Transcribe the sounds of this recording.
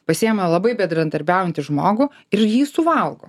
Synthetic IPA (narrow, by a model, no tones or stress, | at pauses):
pɐsʲiːjɛmɐlˠɐbɐɪbʲɛnd̪ɾɐd̪ɐɾʲbʲæʊjɛnʲt̪ʲɪʒmoːɡʊ | ɪɾjiːsʊʋɐlˠɡo̰ː